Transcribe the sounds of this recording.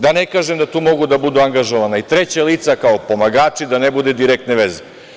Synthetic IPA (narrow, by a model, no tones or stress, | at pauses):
d̪anekaːʒemd̪at̪uːmo̞ɡud̪abud̪uaŋɡaʒoʋanait̪ɾet͡ɕaliːt̪sakaopo̞maɡaːt͡ʃid̪anebud̪ed̪iɾek̚t̪neʋeze